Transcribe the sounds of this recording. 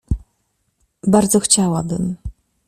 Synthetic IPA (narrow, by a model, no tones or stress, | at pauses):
baɾd̪zɔxt͡ɕawabɘ̰m